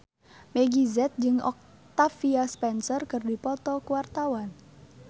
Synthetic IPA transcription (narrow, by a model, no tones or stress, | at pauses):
meɡizɛt̪̚d͡ʒəŋɔ̰k̚ | t̪afiaspɛnsɔrkərdi̤pɔt̪ɔkwart̪awan